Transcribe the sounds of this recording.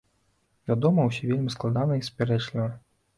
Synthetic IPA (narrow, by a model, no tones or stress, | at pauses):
vʲad̪ɔmɐws̬ʲivʲelʲmsklˠad̪anɐispʲɛɾɛt͡ʂlʲivɐ